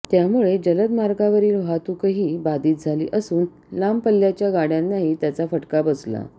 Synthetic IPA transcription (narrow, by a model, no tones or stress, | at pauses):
t̪jamuɭed͡ʑələd̪maɾɡaʋəɾiːlʋat̪ukəɦiːbad̪iːt̪̚d͡zʱalḭːʔəsuːn | lampəlːjat͡ɕjaɡaɽjanːaɦiːt̪jat͡safəʈkabəsla̰